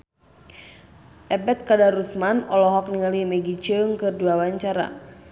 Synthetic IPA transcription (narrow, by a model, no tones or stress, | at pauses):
ʔɛbɛt̪̚kadaɾusmanɔlɔɦɔk̚niŋalimɛɡit͡ʃəŋkɨrduawaɲt͡ʃaɾa̰